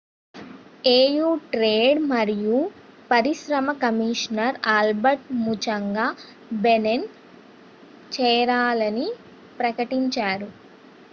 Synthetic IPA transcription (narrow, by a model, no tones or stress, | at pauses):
eːjuːʈɾeːɖmɐɾiju | pɐɾiʃɾɐmɐkɐmiːʂnɐɾaːlbɐɾʈ̚mut͡ʃɐŋɡaː | benen | t͡ʃɛːɾaːlɐni | pɾɐkɐʈiɲt͡ʃaːɾu